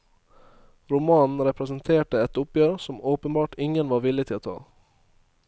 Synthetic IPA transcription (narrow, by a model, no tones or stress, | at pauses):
ɾʊmɑːnn̩ɾɛpɾɛsənt̪ʰeːʈəɛt̪ʊpjøːɾsɔmoːpənbɑːʈɪŋənʋɑːɾʋɪlɪt̪ʰɪloːt̪ʰɑ̰ː